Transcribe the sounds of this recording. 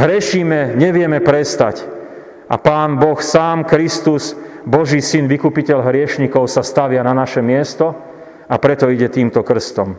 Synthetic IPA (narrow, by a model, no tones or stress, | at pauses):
ɦɾɪɛʃiːmɛɲɛʋɪɛmɛpɾɛst̪ac | ʔa̰paːnbɔxsaːmkɾist̪us | bɔʒiːsinʋikupicɛʎɦɾɪɛʃɲikɔʊsast̪aʋɪananaʃɛmɪɛst̪ɔ | apɾɛt̪ɔiɟɛt̪iːmt̪ɔkr̩st̪ɔm